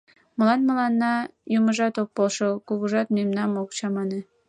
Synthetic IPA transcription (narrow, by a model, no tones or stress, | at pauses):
mə̆lɑnmə̆lɑnːɑjuməʒɑt̪ok̚polʃɤkuɣuʒɑt̪memnɑmokt͡ɕɑmɑne